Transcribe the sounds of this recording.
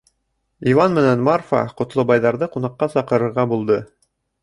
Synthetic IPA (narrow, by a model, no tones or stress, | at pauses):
ivɑnmɘ̆nænmarfɑ̰qŏt̪lˠɤbɑjðɑɾðɤqunɑqːɑsɑqɤ̆ɾɤ̆ɾʁɑbulˠd̪ɤ